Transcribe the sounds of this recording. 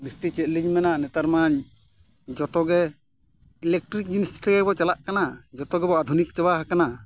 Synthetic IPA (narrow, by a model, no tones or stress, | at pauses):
bist̪it͡ʃɛt̪̚ˀliɲmɛnanɛt̪aɾmaɲ | d͡ʒɔt̪ɔɡɛ | ilɛk̚ʈɾik̚d͡ʒunistt̪ɛɡɛbɔt͡ʃalaʔkanad͡ʒɔt̪ɔɡɛbɔad̪ʱunik̚t͡ʃabaɦakana